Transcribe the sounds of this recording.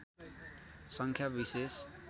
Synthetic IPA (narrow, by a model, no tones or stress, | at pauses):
sʌŋkʰjabises